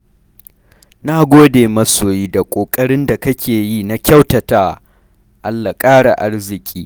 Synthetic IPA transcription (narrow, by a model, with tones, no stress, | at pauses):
naː˦ɡʷoː˦deː˨mɐ˦soː˨jiː˦da˨kʷʼoː˨kʼɐ˦ɽɪ˦nda˨kɐ˦kʲeː˨jiː˦na˦kʲɐ˦wtɐ˨taː˦ | ʔa˦lːa˨kʼaː˦ɽa˨ʔa˦rzɪ˨kʲʼiː˦